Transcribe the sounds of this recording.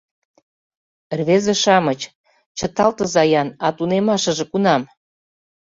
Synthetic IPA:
rβezĕʃɑmət͡ɕ | t͡ɕət̪ɑlt̪ə̆zɑjɑnɑt̪unemɑʃə̆ʒĕkunɑm

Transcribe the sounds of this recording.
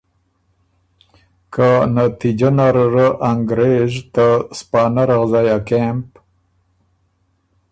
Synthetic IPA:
kanat̪id͡ʒanaɾɾəʔaŋɡɾeʒt̪aspɑːnaɾaɣzajakemp

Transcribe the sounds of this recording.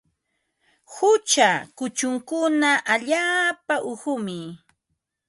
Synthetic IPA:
hʊt͡ʃakʊt͡ʃʊŋkʊnaʔaʎaːpaʔʊhʊmɪ

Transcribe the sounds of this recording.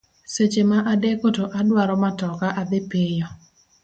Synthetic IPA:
set͡ʃemaʔadekotoʔadwaɾɔmatɔkaʔad̪ɪpijɔ

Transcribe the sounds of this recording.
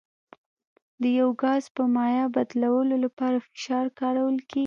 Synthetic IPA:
d̪əjawɡɑzpəmɑjɑbad̪lawəlolapɑɾafɪ̥ʃɑɾkɑɾawəlke

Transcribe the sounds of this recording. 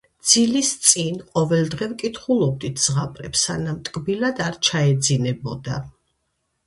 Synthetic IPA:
d̪z̥ilist̪sʼinqʼɔvɛlˠd̪ʁɛvkʼit̪ʰχulˠɔb̚d̪it̪ʰz̥ʁapʼɾɛpsanamt̪ʼkʼbilad̪aɾt͡ʃʰaɛd̪zinɛbɔd̪a

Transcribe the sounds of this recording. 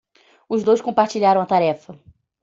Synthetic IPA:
ʊzd̪ojskõmpaɾt͡ʃiʎaɾɐ̃w̃ɐt̪aɾɛfɐ

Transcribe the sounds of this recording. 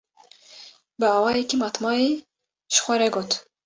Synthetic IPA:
bəɑːwɑːjekimɑt̪mɑːi | ʃxʷaɾɛɡoːt̪

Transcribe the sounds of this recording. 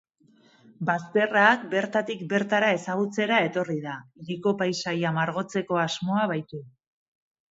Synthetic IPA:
bast̪e̞raːk̚be̞ɾt̪at̪ikbe̞ɾt̪aɾae̞saɣ̞ut͡se̞ɾae̞t̪o̞riðaiɣiko̞pajsajamaɾɣ̞o̞t͡se̞ko̞azmo̞aβajt̪u

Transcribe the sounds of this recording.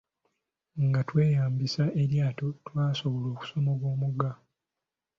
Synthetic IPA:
ŋɡatwe̞ːjaːmbisaʔeɾjaːtotwaːso̞βolo̞ːku̥so̞moɡwo̞ːmuɡa

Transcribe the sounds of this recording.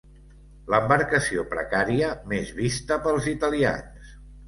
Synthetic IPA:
ləmbəɾkəsiopɾə̰kaɾiəmezβist̪əpəlˠzit̪əlia̰ns

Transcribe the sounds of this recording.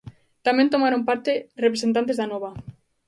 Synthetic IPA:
t̪amẽnt̪̬omaɾompaɾt̪erep̬ɾesent̪ant̪ezðanɔβa

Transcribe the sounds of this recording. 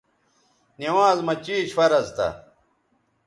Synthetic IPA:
niwaːzmɐt͡ɕiːɕfɐɾɐzt̪ɐ̰

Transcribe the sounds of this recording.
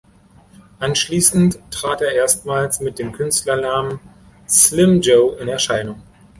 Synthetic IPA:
ʔanʃliːsn̩tːʁ̥aːteːɐʔeːɐstmaːlsmɪt̚d̥eːmkʰʏnstlɐnaːmən | slɪmd͡ʒoʊʔɪnɛɐʃaɪnʊŋ

